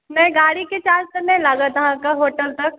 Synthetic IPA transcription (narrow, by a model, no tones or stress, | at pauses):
mɛ̃ːɡaːɽiket͡ʃaːɾt̪ɐnẽlaːɡat̪ɐɦãkaɦoːʈəlt̪ɐk̚